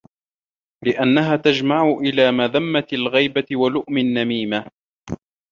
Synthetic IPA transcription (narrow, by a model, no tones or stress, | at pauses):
lɪʔanːaɦaːt̪ad͡ʒmaʕʊʔɪlaːmaðamːat̪alɣijbaɪwalʊʔmɪnːamiːma